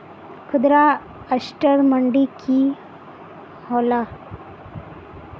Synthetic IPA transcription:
kʰʊd̪ɾa | əʃʈəɾməɳɖiki | hoːla

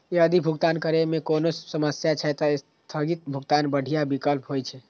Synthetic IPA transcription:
eəd̪ʱibʱuɡt̪ankəɾemekonosəməsjat͡ʃʰɛt̪ɔes | t̪ʰəɡit̪̚bʱuɡt̪anbəɽ̤ʱijabikəlpɦojt͡ʃʰɛ

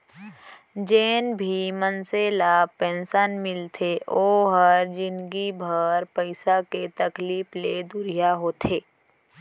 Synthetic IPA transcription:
d͡ʒeːnbʱimənseːlaːpẽːnsənmɪlt̪ʰeʔoːɦəɾd͡ʒɪnɡibʱəɾpəɪsaket̪əkliːpled̪ʊɾijaɦoːt̪ʰeː

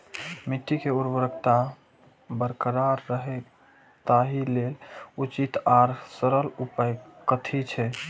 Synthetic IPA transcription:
miʈ̪ːikeuɾbəɾəkʰt̪a | bəɾkəɾaɾːəɦe | t̪aɦilelut͡ʃit̪aɾsəɾəlupajkət̪ʰit͡ʃʰɛ

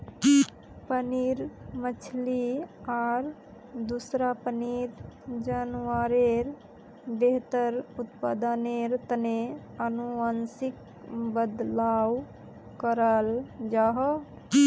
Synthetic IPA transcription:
pəniɾmət͡ʃʰliaɾ | d̪usɾapəniɾd͡ʒənwaɾeɾ | beɦt̪əɾut̪pəd̪əneɾt̪əne | ənuənsik | bəd̪law | kəɾəld͡ʒaɦɔ

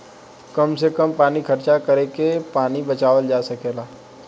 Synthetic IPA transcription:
kəmsekəmpaːnikʰɐɾt͡ʃakəɾeːkepaːnibət͡ʃaːʋəld͡ʒaːsɐkeːlaː

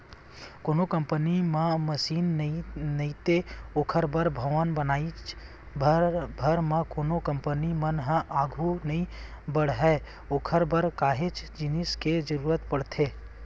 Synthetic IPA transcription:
koːnokə̃mpənimãməsiːninɐĩt̪eokʰəɾbəɾbʱəʋənbənaːi | bʱbʱəɾmãkoːnokə̃mpənimənɦəaːɡʱunɐɦĩ | bəɽɦɛ | okʰəɾbəɾkaːɦet͡ʃd͡ʒɪnɪsked͡ʒəɾuːɾət̪pəɽt̪ʰeː

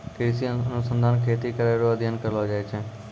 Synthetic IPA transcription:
kɪɾsiənʊsə̃nd̪ʱaːnkʰeːt̪ikəɾaɾoəd̪ʱjənkəɾlod͡ʒaːet͡ʃʰeː

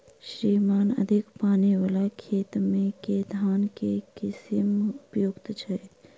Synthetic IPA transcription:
ʃɾiːmaːnɐ̰d̪ʱɪkpaːniʋəlakʰeːt̪mẽkeːd̪ʱaːnkekɪsɪmʊpjoːɡt̪t͡ʃʰɛ

